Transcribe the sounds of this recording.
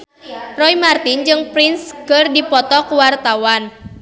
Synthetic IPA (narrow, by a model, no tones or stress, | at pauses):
rɔimart̪ind͡ʒɨŋpɾinskərdipɔt̪ɔkuwart̪awan